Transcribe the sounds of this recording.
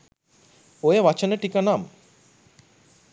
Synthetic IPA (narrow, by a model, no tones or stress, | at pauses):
ojəʋat͡ʃənəʈikənam